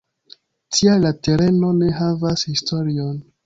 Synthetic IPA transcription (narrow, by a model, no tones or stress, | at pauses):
tʰialate̞ɾe̞no̞ne̞ɦavashistʰo̞ɾion